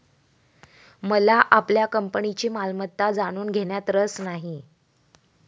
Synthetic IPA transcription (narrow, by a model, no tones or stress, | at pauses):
məlaʔapljakəmpəɳit͡ɕiːmalmət̪ːad͡zaɽ̃uːnɡʱeɽjat̪ɾəsnaɦi